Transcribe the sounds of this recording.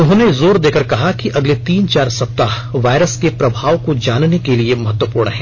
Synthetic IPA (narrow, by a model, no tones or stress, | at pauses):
ʊɦõːnezoːɾd̪eːkɐɾkɐɦakiʔɐɡlet̪iːnt͡ʃaːɾsɐp̚t̪a | ʋaːɪɾəskepɾɐbʱaːʋkod͡ʒaːnnekeliemɐɦət̪wəpuːɾɳəɦɛ̃ː